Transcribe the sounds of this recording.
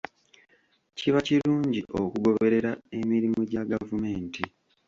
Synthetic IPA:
ciβaciluːɲɟiʔokuɡo̞βe̞ɾe̞ɾae̞miɾimoɟaɡavume̞ːnti

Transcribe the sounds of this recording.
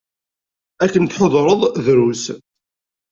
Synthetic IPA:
ækːənt̪ħoðˤɾˤəðˤðɾus

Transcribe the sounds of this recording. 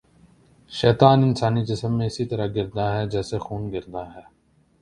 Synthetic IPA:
ʃɛːt̪aːnɪnsaːnid͡ʒɪsəmːẽɪsit̪ɐɾaɡɪɾd̪aɦɛːd͡ʒɛːsexuːnɡɪɾd̪aːɦɛː

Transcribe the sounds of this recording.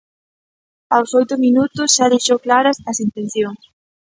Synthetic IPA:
awsojt̪ʊminut̪ʊsʃaðejʃowklaɾɐsɐsint̪en̟θjoŋs

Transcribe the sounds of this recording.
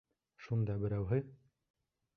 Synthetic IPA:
ʃund̪ɑbɘ̆ɾæwɦɘ

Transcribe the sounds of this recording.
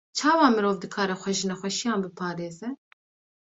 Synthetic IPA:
t͡ʃʰɑːwɑːmɨɾoːvd̪ɨkʰɑːɾɛxʷɛʒɨnɛxʷɛʃijɑːnbɨpʰɑːɾeːzɛ

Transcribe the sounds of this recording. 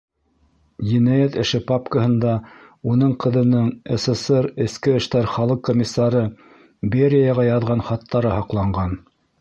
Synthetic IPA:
jinæjæt̪ɘ̆ʃɘpapkəhɤ̆nd̪ɑ | unɤɴqɤ̆ðɤ̆nɤɴɘ̆sɤ̆sɤɾɘ̆skɘɘ̆ʃt̪æɾχɑlˠɤqkːomʲisːɑɾɤ | beɾʲɪjɑʁɑjɑðʁɑnχɑt̪ʰːɑɾɤhɑqlˠɑɴɢɑn

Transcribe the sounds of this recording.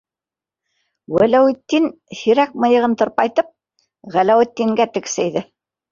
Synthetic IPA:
wælæwɘ̆t̪ːin | hiɾæk̚mɤ̆jɤ̆ʁɤnt̪ɤ̆ɾpɑjt̪ɤp̚ | ʁælæwɘ̆t̪ːiŋɡæt̪ɘ̆ksæjðɘ

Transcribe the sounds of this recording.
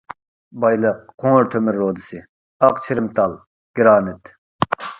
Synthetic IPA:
bɑjlˠɨq̚ʰːoŋɾt̪ʰømɪɾːoːd̪ɨsɨ | ɑqt͡ʃʰiɾɪmt̪ʰɑlˠ | ɡ̥ʲiɾɑːnɪt̪

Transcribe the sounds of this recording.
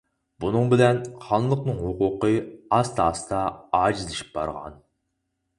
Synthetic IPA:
b̥unɨŋbɪlɛnχɑnlˠəqnɨŋɦhʊqʊqɨɑst̪ʰɑːst̪ɑɑːd͡ʒizlɪʃi̥p̚bɑ̰ɾʁɑ̰n

